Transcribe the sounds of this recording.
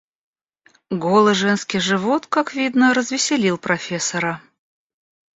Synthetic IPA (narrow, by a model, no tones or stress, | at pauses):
ɡolˠɨʐɛnskʲɪjʐɨvot̪kakvʲid̪nəɾəzvʲɪsʲɪlʲilˠpɾɐfʲesəɾə